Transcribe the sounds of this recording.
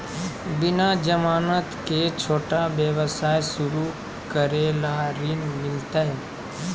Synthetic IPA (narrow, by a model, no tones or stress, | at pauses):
bɪnad͡ʒəmaːnət̪ket͡ʃʰoːʈabjəʋəsaːjsʊɾu | kəɾelaɾinmɪlt̪aɦɛ